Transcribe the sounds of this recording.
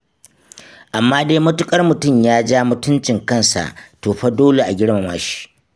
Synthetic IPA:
ʔa˨mːaː˦deː˦mʊ˦tʊ˦kʼɐ˦rmʊ˨tʊ˦˨mjaː˦d͡ʒaː˦mʊ˨tʊ˦nt͡ʃɪ˨ŋkɐ˦˨nsa̰˨ʔtoː˨ɸɐ˦doː˦le˨ʔa˨ɡʲɪ˦ɽma˨maː˦ʃi̥˦ʔ

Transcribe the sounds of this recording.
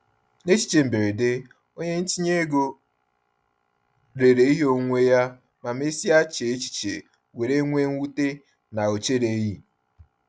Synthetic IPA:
ne˦t͡ʃi̥˨t͡ʃe˨m̩˨be˨ɾe˨dɪ˦ | o˦ɲe˦n̩˦t͡ʃi˦ɲe˦ɡo˦ | ɾe˨ɾe˨i˦ɦo˦ŋʷe˦ja˦ | ma˨m˦e˦si˦a˦t͡ʃe˨e˦t͡ʃi̥˨t͡ʃḛ˨ | we˨ɾe˦ŋʷe˦ŋ̩˦u˦te˦ | na˨o˨t͡ʃe˦ɾe˨ji˦

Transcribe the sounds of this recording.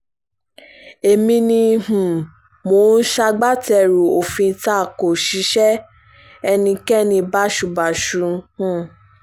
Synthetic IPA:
e˨mĩ˧nĩ˧hũ˨ | mo˨˦n̩˦ʃa˧ɡ͡ba˦tɛ˧˨ɾu˨o˨fĩ˧ta˦˨ko˨ʃi˨˦ʃɛ˦ | ɛ˧nĩ˧kɛ˦nĩ˧ba˦ʃu˨ba˨ʃu˨˦hũ˦˨

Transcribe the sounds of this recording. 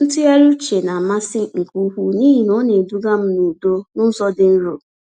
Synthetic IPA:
n̩˦tʊ˦ja˦ɾu˦t͡ʃe˨na˨ma˦sɪ˦ŋ̩˨ku˦ɦu˦niː˦ɦi˨nɔ˦ne˨du˦ɡa˦m̩˦nu˨do˦nʊ˦n̩˦sɔ˦dɪ˨n̩˦ɾo˨

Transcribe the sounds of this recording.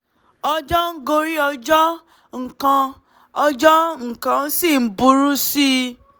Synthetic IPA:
ɔ˧d͡ʒɔ˦ŋ̩˦ɡo˧ɾi˦ɔ˧d͡ʒɔ˦ | ŋ̩˨kã˧ | ɔ˧d͡ʒɔ˦ŋ̩˨kã˧n̩˦si˦˨m̩˦bu˧ɾu˦si˦

